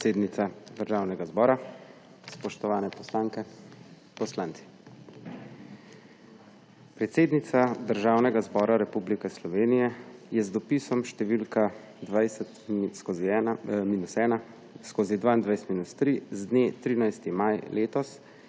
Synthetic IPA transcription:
seːd̪nit̪sad̪əɾʒaːwnɛɡazbɔːɾa | spɔʃt̪ɔʋaːnɛpɔslaŋkɛ | pɔslaːnt̪si̥ | pɾɛt̪seːd̪nit̪sad̪əɾʒaːwnɛɡazbɔːɾaɾɛpublikɛslɔʋeːnijɛjɛzd̪ɔpisɔmʃt̪ɛʋilka | d̪ʋajsɛt̪skoːzimiːnusɛːna | skoːzid̪ʋaːind̪ʋajst̪miːnust̪ɾizd̪neːt̪ɾiːnajst̪imajleːt̪ɔs

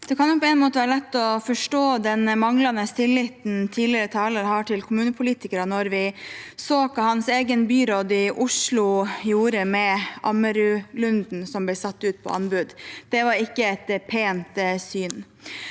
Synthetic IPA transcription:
d̪̥ɛkʰɑnjʊpʰɔɛnmoːt̪əʋæːɾəlɛt̪ːɔfɔʂʈoːd̪ɛnmɑŋlɑnəst̪ɪlːɪt̪n̩t̪ʰiːlɪəɾət̪ʰɑːləɾəɦɑːʈʰɪlkʰʊmʉːnəpʰʊliːt̪ɪkəɾənɔɾʋɪsoːkɑhɑnseːɡənbyːɾod̪ɪʔʊʂlʊjuːɾəmɛʔɑməɾʉlʉnd̪n̩sɔmblɛsɑt̪ːʉːt̪̚pʰɔ̰ʔɑnbʉd̪d̪̥ɛʋɑɾɪkːəɛt̪pʰeːnt̪syːn

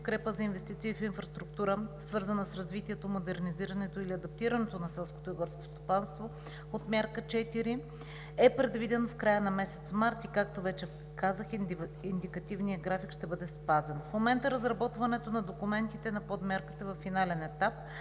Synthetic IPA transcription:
t̪kɾɛpəzɐinvɛst̪it̪siːfinfɾɐst̪ɾuk̚t̪uɾəsvɤɾzənəsɾɐzvit̪iɛt̪omod̪ɛɾniziɾɐnɛt̪oiliɐd̪ɐp̚t̪iɾɐnɛt̪onɐsɛlˠskot̪oiɡɔɾsko̥st̪o̥panst̪vo | ot̪mʲjaɾkət͡ʃɛt̪iɾi | ɛpɾɛd̪vid̪ɛnfkɾajənɐmɛsɛ̥t̪smaɾt̪ikak̚t̪ovɛt͡ʃɛ | kazəxind̪ikɐt̪ivniəɡɾafikʃt̪ɛbɤd̪ɛspazɛnfmomɛnt̪əɾɐzɾɐbɔt̪vɐnɛt̪onɐd̪okumɛnt̪it̪ɛnɐpod̪mʲaɾki̥t̪əvɐfːinalɛnɛt̪ap̚

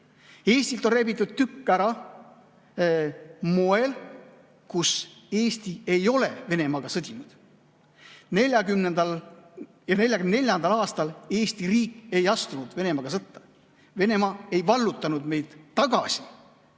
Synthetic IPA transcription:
e̞ːsʲt̪ilt̪o̞nrebit̪ˑːud̪̥̚t̪ykːæɾɑ | mo̞e̞l | kuse̞ːst̪ie̞jo̞le̞ve̞ne̞mɑɡ̥ɑsɤd̪ʲinud̪̥ | ne̞lʲjɑɡymnend̪̥ɑl | jɑne̞lʲjɑɡynnelʲjɑnd̪ɑlɑːst̪ɑle̞ːsʲt̪iriːkˑːe̞jɑst̪unud̪̥ve̞ne̞mɑɡ̥ɑsɤt̪ːɑ̥ | ve̞ne̞mɑe̞jvɑlːut̪ˑːɑnud̪me̞jd̪̥t̪ːɑɡ̥ɑ̰si̥

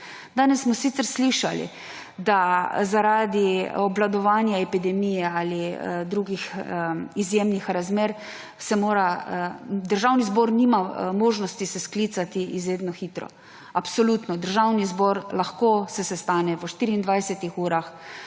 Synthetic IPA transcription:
d̪aːnɛsːmɔsit̪səɾsliʃalḭ | d̪azaɾaːd̪iɔblad̪ɔʋaːnjaɛpid̪ɛmiːjɛaːlid̪ɾuːɡix | izjeːmnixɾazmeːɾ | sɛmoːɾa | d̪əɾʒawnizbɔːɾnimamɔːʒnɔst̪isɛsklit̪sat̪iizɾeːd̪nɔxiːt̪ɾɔ̰ | apsɔluːt̪nɔd̪əɾʒawnizbɔːɾlaxkoːsɛsɛst̪aːnɛʋəʃt̪iːɾiːnd̪ʋajsɛt̪ixuːɾax

